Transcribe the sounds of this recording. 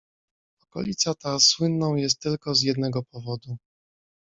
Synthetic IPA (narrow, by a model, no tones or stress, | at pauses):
ɔkɔ̰lʲit̪sat̪aswɘnːɔ̃w̃jɛst̪ːɘlkɔzjɛd̪nɛɡɔpɔvɔd̪u